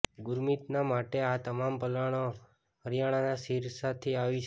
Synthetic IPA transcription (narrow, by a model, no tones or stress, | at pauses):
ɡʊɾmit̪namaʈeat̪əmampəlaɽ̃o | ɦəɾjaɽ̃anasiɾsat̪ʰiaʋit͡ʃʰ